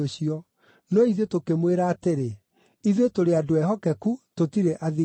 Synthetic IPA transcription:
oɕiɔ | noiðetokemweɾaːteɾe | iðetoɾeadoɛɦɔkɛkutotiɾeʔaði

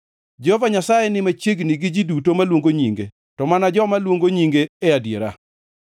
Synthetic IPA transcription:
d͡ʒɔvaɲasajɛnɪmat͡ʃeɡniɡɪd͡ʒidutomalwoŋɡoɲiŋɡḛ | tɔmanad͡ʒɔmalwoŋɡoɲiŋɡeːadjḛɾa̰

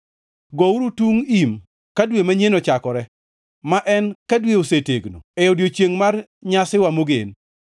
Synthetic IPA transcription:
ɡɔuɾutuŋim | kadwemaɲenot͡ʃakɔɾɛ | maʔɛnkadweoseteɡno̰ɛodjot͡ʃjeŋmarɲasɪwamoɡḛn

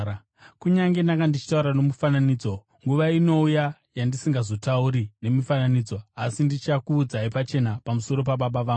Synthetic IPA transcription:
kuɲaŋɡe̞ndaŋɡandit͡ʃi̥tauɾano̞mufananiːd͡zo̞ | ŋɡuʋaino̞ujajandisiŋɡazo̞tauɾine̞mifananiːd͡zo̞asindit͡ʃakuːd͡zaipat͡ʃe̞napamuso̞ɾo̞paɓaɓaʋaːɡ

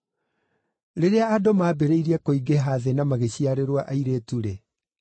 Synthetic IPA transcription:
ɾeɾeaːdomaːbeɾeiɾiɛkoiɡeɦaːðenamaɣeɕiaɾeɾwaʔaiɾetuɾe

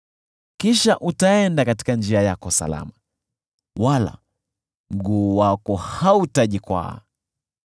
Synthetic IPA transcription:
kiʃaʔutaɛndakati̥kand͡ʒiajakɔsa̰la̰ma | wala̰ | m̩ɡuːwakɔhautaʄikwa̰

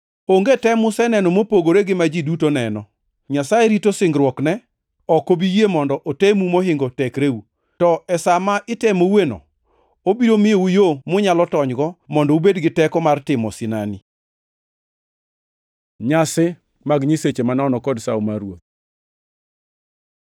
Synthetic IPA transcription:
oŋɡetɛmʊsɛnɛnɔmopoɡoɾeɡɪmad͡ʒidutonɛnɔ | ɲasaeɾitosɪŋɡɾwɔknɛ | ɔkobijemɔndɔʔotemumoɦɪŋɡɔtɛkɾeu | tɔɛsamaʔɪtɛmowenɔ̰ | obiɾomɪjoujomʊɲalɔtɔɲɡɔmɔndɔubedɡɪtɛkɔmartɪmɔ̰sɪnani | ɲasɪ | maɡɲiset͡ʃemanɔnɔkɔdsawmaɾwot̪̚

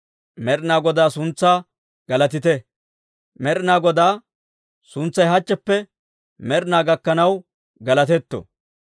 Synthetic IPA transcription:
mɛɾɪnaːɡɔd̪aːsʊnt͡sːaː | ɡ̥ɐlɐt̪ɪt̪ɛ | mɛɾɪnaːɡɔd̪aː | sʊnt͡sːɐjɦɐt͡ʃːɛpːɛ | mɛɾɪnaːɡɐkːɐnɐw | ɡɐlɐt̪̬ɛt̪ːɔ̰

